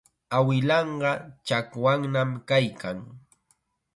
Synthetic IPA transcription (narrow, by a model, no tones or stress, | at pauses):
awɪlɑɴɢɑt͡ʃakwaŋnamkajkaŋ